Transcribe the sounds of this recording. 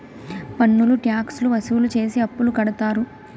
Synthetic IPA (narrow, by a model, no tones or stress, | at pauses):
pɐnːuluʈjaːksluʋɐsiʋulut͡ʃe̞ːsiɐpːulukɐɽɐt̪aːɾu